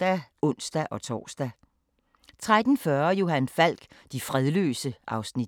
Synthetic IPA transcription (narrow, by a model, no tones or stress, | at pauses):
æɔ̽n̰sd̥æʔɒ̽t͡sʰɒ̰ːsd̥æ | t͡sʰʁad̥n̩fɶɐjo̝hænfæl̰ɡ̥d̥ifʁɛðˠlø̰ːsəʔɑ̈ʊsnid̥